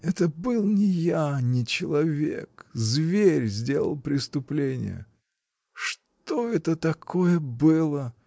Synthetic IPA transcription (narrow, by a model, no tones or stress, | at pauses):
ɛt̪əbɨlˠnʲɪjanʲɪt͡ɕɪlˠɐvʲḛkzvʲeɾʲzʲdʲe̞lˠə̰lˠpɾʲɪst̪ʊplʲenʲɪ̰jə̰ | ʂ | t̪oɛt̪ət̪ɐkʰojəbɨlˠə